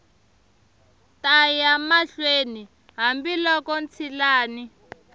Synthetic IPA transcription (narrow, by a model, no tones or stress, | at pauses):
tajamaɬweni | ɦambilɔkɔnt͡sʰilaːni